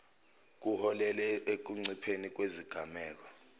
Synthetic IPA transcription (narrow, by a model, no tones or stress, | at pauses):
k̬uhɔlɛlɛek̬uŋ͡ǀipʰenik̬weziɡ̥ʱamɛːk̬ɔ